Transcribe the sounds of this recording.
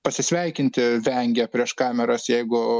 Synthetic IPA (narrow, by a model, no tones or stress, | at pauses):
pɐsʲɪsʲʋʲɛɪkʲɪnʲt̪ʲɪʋʲɛŋʲɡʲɛpʲɾʲiɛʃkɑːmʲɛɾɐsjɛɪɡʊ